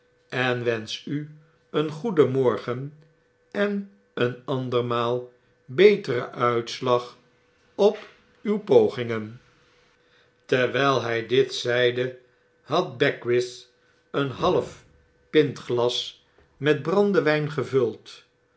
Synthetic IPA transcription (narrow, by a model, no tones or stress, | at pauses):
ɛnʋɛnsy | ənχudəmɔɹχən | ɛn | ənɑndəɹmaːlˠ | bejtərəʔœɥtslɑχ | ɔp | ywpowχɪŋən | tɛɹʋɛjlˠɦɛjdɪtsɛjdə | hɑt̚bɛkwɪs | ənɦɑləf | pɪntχlɑs | mɛd̚brɑndəʋɛjnχəvɵlˠt